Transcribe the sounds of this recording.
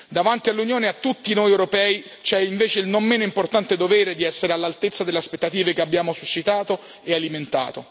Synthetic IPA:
d̪avant̪ialːunjoːneat̪ːut̪ːinoːjewɾopɛːi | t͡ʃɛiɱveːt͡ʃeilnomːeːnoimport̪ant̪ed̪oveːɾed̪iɛsːeɾealːalt̪et̪sːad̪elːeaspet̪ːat̪iːvekeabːjaːmosuʃːit̪aːt̪o | ealiment̪a̰ːt̪o

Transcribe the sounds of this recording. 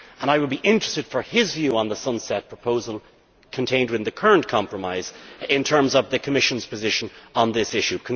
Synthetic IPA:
ə̃ɾ̃aɪwəlˠbiʔɪ̃nt͡ʃɹ̥ɨstɨd̥fə˞ɪzvjʉə̃nðəsʌ̃nsɛt̚pʰɹ̥əpʰoʊzəlˠ | kʰə̃n̩tʰẽɪ̃ndɨ̃nðɨkʰɜ˞ə̃nkʰɑ̃mpɹəmaɪzɪ̃ntʰɜ̃˞mzʌvðɨkʰəmɪʃə̃nz̥pʰɨzɪʃə̃nə̃nðɪsɪʃʉkʰn

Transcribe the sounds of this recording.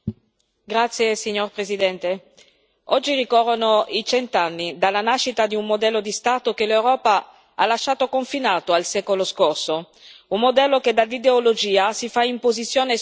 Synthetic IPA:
ɡɾat̪sːjesiɲːorpɾezid̪ɛnt̪e | ɔd͡ʒːiɾikɔronoit͡ʃɛnt̪anːid̪alːanaʃːit̪ad̪iumːod̪ɛlːod̪ist̪aːt̪okelewɾɔːpa | a̰lːaʃːaːt̪okoɱfinaːt̪oalsɛːkoloskorso | ummod̪ɛlːoked̪alːid̪eolod͡ʒiːasifaimpozit̪sːjoːne

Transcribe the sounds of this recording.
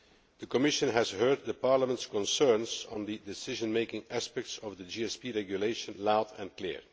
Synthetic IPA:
ðəkɔmɪʃə̃nɦæz̥hɜ˞d̪̚ðəpɑɹləmə̃ntskɔ̃nsɜ˞nz̃n̩dɨdɪsɪʒə̃nmeɪkɪ̃ŋæspɛk̚tsɔvðəd͡ʒiɛspiːɹɛɡjuleɪʃə̃nlaʊdɛ̃nkʰlḭɹ

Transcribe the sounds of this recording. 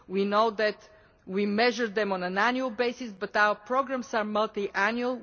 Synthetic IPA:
winoʊd̪ɛt̪ | wimɛʒəɹd̪ɛ̃mɔ̃nə̃nænjuəlˠbeɪsɪsbət̪aʊəpɾɔɡɾãmsaɹmʌlˠt̪iʔænjuəlˠ

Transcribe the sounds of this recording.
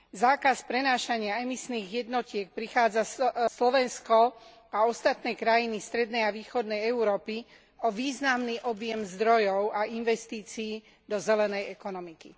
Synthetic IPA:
zaːkaspɾɛnaːʃaɲɪaɛmisniːɣjɛd̪nɔcɪɛk̚pɾixaːd͡zaslɔʋɛnskɔ | aɔst̪at̪nɛːkɾajinist̪ɾɛd̪nɛjaʋiːxɔd̪nɛjɛuɾɔːpi | ɔʋiːznamniʔɔbjɛmzd̪ɾɔjɔʊʔainʋɛst̪iːt͡siː | d̪ɔzɛlɛnɛjɛkɔnɔmiki

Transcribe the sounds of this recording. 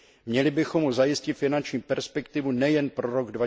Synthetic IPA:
mɲɛlɪbɪxo̞muzajɪscɪt̪fɪnant͡ʃɲiːpɛɾspɛkt̪ɪvunɛjɛnpɾoɾoɡdva

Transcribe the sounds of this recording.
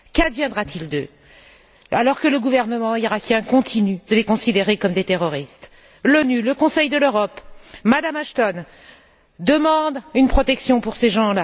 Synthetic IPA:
kad̪vjɛ̃d̪ʁat̪ild̪ø | alɔʁkələɡuvɛʁnəmɑ̃iʁakʲjɛ̃kɔ̃t̪ʰinyd̪əlekɔ̃sid̪eʁekɔmd̪et̪eʁɔʁist̪ | lɔnyləkɔ̃sɛjd̪əløʁɔpmad̪amaʃt̪ɔn | d̪əmɑ̃d̪ynpχɔt̪ɛksjɔ̃puʁseʒɑ̃la

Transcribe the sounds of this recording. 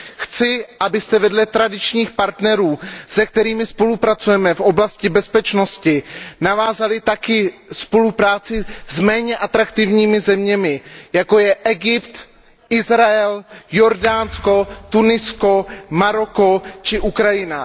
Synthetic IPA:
xt͡sɪʔabɪst̪ɛvɛdlɛt̪ɾadɪt͡ʃɲiːxpaɾt̪nɛɾuːsɛkt̪ɛɾiːmɪspo̞lupɾat͡sujɛmɛfʔo̞blascɪbɛspɛt͡ʃno̞scɪnavaːzalɪt̪akɪspo̞lupɾaːt͡sɪzmɛːɲɛʔat̪ɾakt̪ɪvɲiːmɪzɛmɲɛmɪjako̞jɛʔɛɡɪpt̪ | ʔɪzɾaɛljo̞ɾdaːnsko̞t̪unɪsko̞maɾo̞ko̞t͡ʃɪʔukɾajɪna

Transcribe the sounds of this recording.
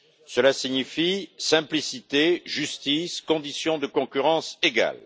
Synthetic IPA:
səlasiɲifisɛ̃plisit̪eʒyst̪iskɔ̃d̪isjɔ̃d̪əkɔ̃kʲyʁɑ̃seɡa̰l

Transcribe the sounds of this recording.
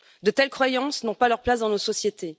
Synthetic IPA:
d̪ət̪ɛlkχwajɑ̃snɔ̃palœʁplasd̪ɑ̃nosɔsjet̪e

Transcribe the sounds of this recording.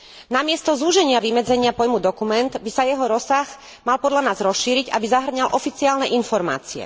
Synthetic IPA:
namɪɛst̪ɔzuʒɛɲɪaʋimɛd͡zɛɲɪapɔjmud̪ɔkumɛnt̪bisajɛɦɔɾɔsːaɣ | malpɔd̪ʎanaːzɾɔsʃiːɾiɟa̰bizaɦr̩ɲalʔɔfit͡siaːlnɛʔinfɔɾma̰ːt͡siɛ̰

